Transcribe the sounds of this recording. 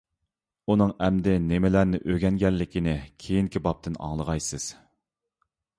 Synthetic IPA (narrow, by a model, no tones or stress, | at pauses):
unɨŋɛmd̪ɪnɪmɪlæɾnɪʔøɡʲɛnɡʲɛlːɪkʲʰinɪkʲʰejiŋkʲibɑp̚t̪ʰɨnɑ̰ŋlˠəʁɑjsɨz̥